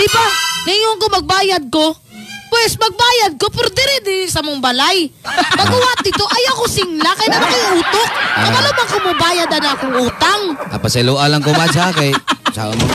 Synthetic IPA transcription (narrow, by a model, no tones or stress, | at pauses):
d̪̥ɪbanɐŋoŋkomɐɡ̚baːjɐd̪̚ko̞ | pwɛspɐɡ̚baːjɐd̪̚kopɛɾd̪ɛɾɛd̪ɪsɐmoŋbɐlajpɐɡʊwat̪̚d̪ɪt̪o̞ʔɐjawkosɪŋlakɐjanɐnakɪʔuːt̪ok̚ːɐmɐlomɐŋkomɐbaːjɐd̪ɐnakʊŋuːt̪aŋɐ̰pɐsɛluːʔalɐŋkomad͡ʒakɐjt͡ʃa̰om